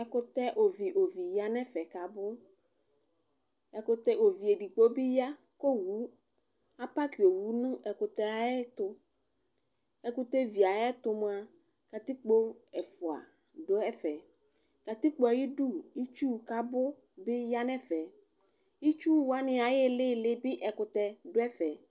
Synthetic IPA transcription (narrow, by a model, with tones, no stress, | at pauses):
ɛ˦kʊ˦t̪ɛ˦ʔo˨vi˨ʔo˨vi˨ja˦nɛ̃˦fɛ˨ka˨bʊ˦ | ɛ˨kʊ˦t̪ɛ˦ʔo˨vi˨e˨ɖi˨k͡po˦bi˦ja˦ | ko˦wu˨˦ | a˦pa˦ki˨e˨wu˦nũ˦ɛ˨kʊ˨t̪ɛ˦a˨ɛ˦t̪ʊ˦ | ɛ˨ku˦t̪ɛ˦vi˨a˨jɛ˦t̪ʊ˨m̃˦a˨ | ka˨t̪i˦k͡po˦ɛ˨fʊ˨a̰˨ | dʊ˦ɛ˦fɛ˨ | ka˨t̪i˦k͡po˦a˨ji˦ɖu˦i˦t͡ʃu˦ka˨bʊ˦ | bɪ˦ja˦nɛ̃˦fɛ˨ | i˦t͡ʃu˦wa˦nɪ̃˨a˨jɪ˦lɪ˦lɪ˦bɪ˦ʔɛ˨kʊ˨t̪ɛ˨ɖʊ˦ɛ˦fɛ˨